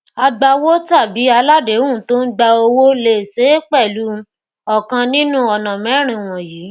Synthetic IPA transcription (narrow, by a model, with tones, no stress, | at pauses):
a˧ɡ͡ba˧wo˦ta˦˨bi˨˦a˧la˦de˨˦wũ˦˨to˦n̩˦ɡ͡ba˧o˧wo˦le˨se˨˦k͡pɛ˦˨lu˨˦˧ | ɔ˨kã˧nĩ˦nũ˦ɔ˧nã˨mɛ̃˨˦ɾ̃ĩ˧w̃ɔ̃˨jiː˨˦